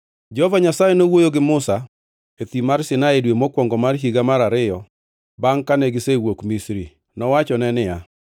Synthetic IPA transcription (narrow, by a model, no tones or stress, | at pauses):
d͡ʒɔhovaɲasajenowojoɡɪmʊsa | et̪imarsɪnaedwemokwɔŋɡɔmarɦiɡamaɾaɾɪjɔ | baŋkanɛɡɪsewokmisɾi | nɔwat͡ʃɔnɛnɪja